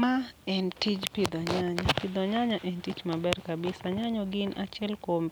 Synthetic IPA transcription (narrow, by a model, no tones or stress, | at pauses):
maɛntid͡ʒpid̪ɔɲaɲapid̪ɔɲaɲaʔɛntit͡ʃmabɛɾkabisaɲaɲɔɡinʔat͡ʃɛlkom